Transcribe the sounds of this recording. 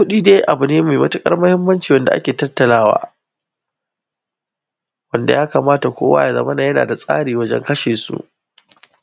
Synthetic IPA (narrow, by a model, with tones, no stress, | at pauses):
kʊ˦ɗiː˦deː˦ʔa˨bʊ˨neː˦meː˨mɐ˦tʊ˦kʼɐ̰˦rmʊ˦hɪ˦mːɐ˦nt͡ʃiː˨wɐ˦nda˨ʔa̰˦kʲeː˨tɐ˦tːɐ˨laː˦wa̰ː˦ | wɐ˦nda˨jaː˦kaː˨maː˦ta˨kʷo̰ː˦wa̰ː˦ja˨zɐ̰˦mɐ˦naː˨jɐ˦na̰ː˨da˨sʼa̰ː˦ɽiː˨wɐ˦d͡ʒɛ̰˦ŋkɐ˦ʃeː˨sṵ˦ʔ